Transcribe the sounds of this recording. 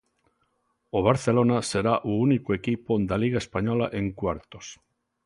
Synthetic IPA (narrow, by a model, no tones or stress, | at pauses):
oβ̞aɾθelonase̞ɾaʔuunikoekipod̪aliɣ̞aespaɲolaʔeŋkwaɾt̪os